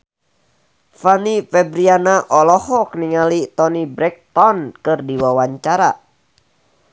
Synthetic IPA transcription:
fanifɛbɾianaʔɔlɔhɔkəniŋalit̪ɔnibɾɛk̚t̪ɔnkɨrdiwawaɲt͡ʃaɾa

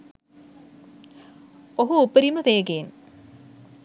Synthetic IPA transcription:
oɦuupːəɾimət̪ejɡen

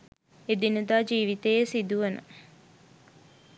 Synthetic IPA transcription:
ed̪inəd̪aːd͡ʒiːʋit̪ejesid̪uʋənə̰

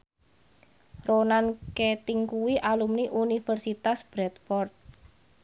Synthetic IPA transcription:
ronanket̪iŋkuwiʔalumniʔunifərsit̪asb̥ɾɛt̪̚fɔrt̪̚

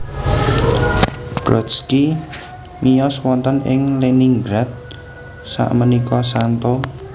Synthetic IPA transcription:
b̥ɾɔski | mijɔswɔnt̪ənɪŋleniŋɡɾat̪̚ | sa̰ʔmənikɔsant̪o

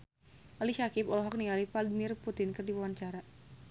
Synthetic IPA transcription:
ʔaliʃakipɔlɔɦɔk̚nialipadmirput̪ɪnkɨrdiwawant͡ʃaɾa

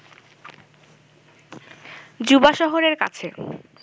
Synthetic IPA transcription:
d͡ʑubaʃɔɦoɾeɾka̰t͡ɕʰe

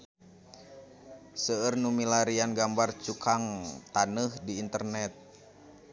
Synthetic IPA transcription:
səərnumilaɾianɡambart͡ʃukʰaŋt̪anəhdiːnt̪ərnɛt̪̚

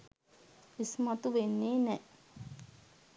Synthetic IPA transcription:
ismɐt̪uʋenːeːnɛ

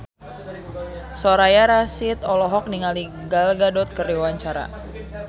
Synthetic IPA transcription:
soɾajaɾasit̪ɔlɔɦɔk̚niŋaliɡalɡadɔt̪̚kəriwaɲt͡ʃaɾa̰

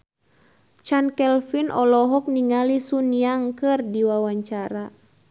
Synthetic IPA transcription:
t͡ʃankɛlfinʔɔlɔɦɔk̚niŋalisuniaŋkɨrdiwawaɲt͡ʃaɾa

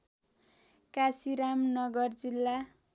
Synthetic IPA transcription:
kasiɾamnʌɡʌrd͡zilːa

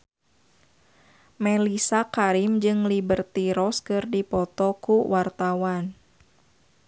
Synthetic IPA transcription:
mɛlisakaɾimd͡ʒɨŋlibərt̪iɾɔskɨrdipɔt̪ɔkuwart̪awan

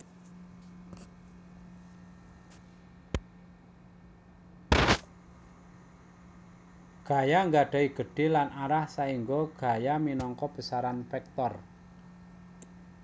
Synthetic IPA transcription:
ɡ̥a̤jaŋɡaɖ̥a̤iɡ̥ə̤ɖ̥e̤lanaɾahsaiŋɡoɡ̥a̤jaminɔŋkɔb̥ə̤saɾanfɛk̚t̪ɔr

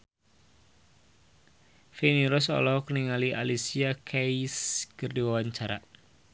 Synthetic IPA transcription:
feniɾɔsɔ̰lɔɦɔkəniŋaliʔa̰lisiakʰaiskərdiwawaɲt͡ʃaɾa̰

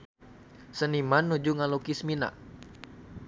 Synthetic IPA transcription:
sənimanːud͡ʒuŋalokismina̰ʔ

